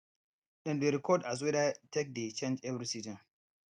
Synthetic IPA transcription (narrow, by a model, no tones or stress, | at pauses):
ɗɨ̃ndeɾikʰɔdas̬wɛdatek̚det͡ʃẽnd͡ʒɛvɾisizə̃n